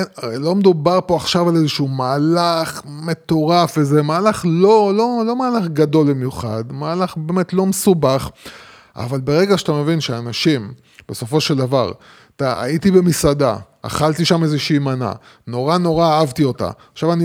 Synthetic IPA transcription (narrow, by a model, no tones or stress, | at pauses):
aʁejlo̞med̪ubaʁpo̞aχʃavale̞zeʃuːmaːlaχme̞t̪o̞ʁafezemaːlaχlolo̞lo̞maːlaχɡado̞lbimjuχa̰dmaːlaχbeːme̞tlo̞mesubaχ | a̰valbe̞ʁe̞ɡaʃatame̞vinʃeanaʃim | b̥e̞so̞fo̞ʃeld̪ava̰ʁ | t̪aa̰it̪ibe̞misad̪a̰ | a̰χalt̪iʃamezeʃiːmana̰ | no̞ʁano̞ʁaːavt̪io̞ta̰aʃavani